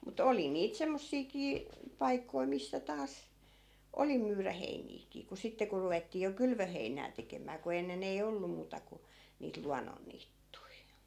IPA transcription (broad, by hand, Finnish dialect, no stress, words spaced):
mut oli niːt semːosːiːkiː pɑikːoi misːæ tɑːs oli myːræ heiniːkiː ku sitːe ku ruʋetːiː jo kylʋøheinæː tekemˑæː ku enːen ei olːu muːtɑ ku niːt luɑnːonːiːtːui